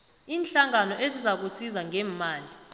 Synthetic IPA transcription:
iːnɬaŋanɔʔezizak̬usizaŋʱɛːmaːli

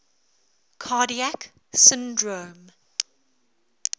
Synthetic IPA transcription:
kʰaːdiak | sɪ̃ndɹõːm

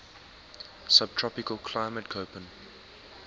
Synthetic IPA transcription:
sab̚tʰɹ̥ɔpɪkəlˠkʰl̥aɪmət̚kʰoʊpə̃n

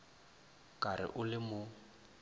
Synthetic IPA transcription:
kʼaɾɪ̰ʔʊlɪmʊ

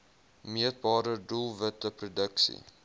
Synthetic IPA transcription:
miət̚bɑːɾədulˠvətəprodəksḭ

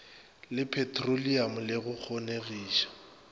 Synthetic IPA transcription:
lɪpʰɛtʰroliamʊlɪɣʊk͡xʰoneɣiːʃḁ

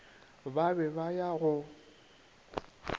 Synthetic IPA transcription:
babɛbajaɣʊ

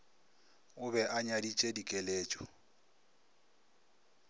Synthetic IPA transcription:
ʊbɛʔaɲadit͡ʃʼedikʼeleːt͡ʃʼɔ

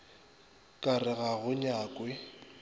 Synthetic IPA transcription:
kʼarɪɣaɣʊɲaːkʼwɪ

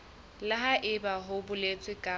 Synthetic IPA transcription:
laɦaʔɪbaɦʊbʊlet͡sʼwɪkʼaː

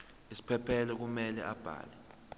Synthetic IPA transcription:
isi̥pʰɛpʰɛlɛk̬umɛlɛ̰ʔab̥ʱa̰ːlɛ

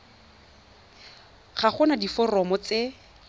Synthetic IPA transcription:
χaχʊnadifɔrɔmɔt͡se

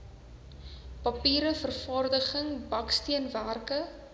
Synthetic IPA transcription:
pɐpiːɾəfərfɑːrdəχəŋbɐkstiənværkə

